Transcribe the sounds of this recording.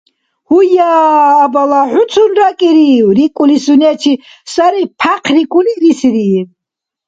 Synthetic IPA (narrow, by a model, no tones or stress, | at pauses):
hujaːbalaħusʰunɾakʼiɾiwɾikʼulisunɛt͡ʃʰi | saɾipʰaqʰɾikʼuliɾisɾi